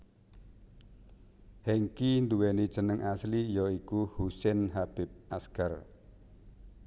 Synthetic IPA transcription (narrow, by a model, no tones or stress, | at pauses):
hɛŋkind̪uwɛnid̥ʒ̥ə̤nəŋʔaslijɔikuhusɛnɦab̥ɪp̚ʔaskar